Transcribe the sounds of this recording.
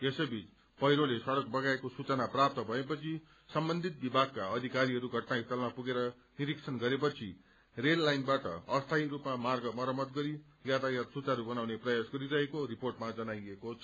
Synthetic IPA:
esʌbit͡s | pʌɦijɾolesʌɽʌk̚bʌɡaekosut͡sʌnaprap̚t̪ʌbʱʌepʌt͡sʰi | sʌmbʌnd̪ʱit̪̚bibʱaɡ̚kaʌd̪ʱikaɾiɦʌɾuɡʱʌʈnaist̪ʌlmapuɡeɾʌ | niɾiksʰʌnɡʌɾepʌt͡sʰḭ | relːajnbaʈʌ̰ʌst̪ʰaiɾupmamarɡʌmʌɾʌmʌt̪ɡʌɾi | jat̪ajat̪sut͡saɾubʌnawneprʌjasɡʌɾiɾʌɦekoɾiporʈmad͡zʌnajekot͡sʰ

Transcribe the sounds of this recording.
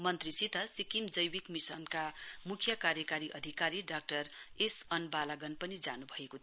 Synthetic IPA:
mʌnt̪risit̪ʌsikimd͡zʌjwikmisʌnkamukʰjʌkaɾjʌkaɾiʔʌd̪ʱikaɾiɖak̚ʈʌresʌnbalaɡʌnpʌnid͡za̰nubʱʌekot̪ʰ

